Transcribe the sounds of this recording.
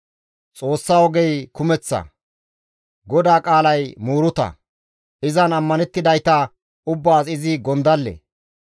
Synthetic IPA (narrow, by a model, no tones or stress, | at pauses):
t͡sʼo̞ːsːawɔɡɛjkʊmɛt͡sːɐ̰ | ɡɔd̪aːkʼaːlɐjmuːɾʊt̪ɐ̰ | ɪzɐnɐmːɐnɛt̪ːɪd̪ɐjt̪ɐ | ʊbːaːsɪzɪɡɔnd̪ɐlːḛ